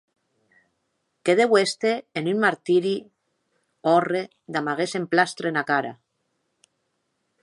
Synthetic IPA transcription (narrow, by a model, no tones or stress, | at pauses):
keð̞ewest̪eːnynmaɾt̪iɾi | ɔre | d̪amaɣesemplast̪ɾenakaɾa̰